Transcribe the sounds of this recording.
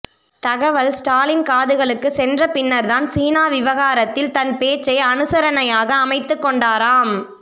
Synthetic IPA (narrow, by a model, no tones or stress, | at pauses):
t̪ɐɣɐʋɐlsʈaːlɪnkaːðɯɣɐɭɯkːɯsɛndrɐpɪnːɐɾðaːnsiːnaːʋɪʋɐɣaːɾɐt̪ːɪlt̪ɐnpeːt͡ʃːɐjɐnɯsɐɾɐnɐjaːɣɐːmɐɪt̪ːɯkːɔɳɖaːɾaːm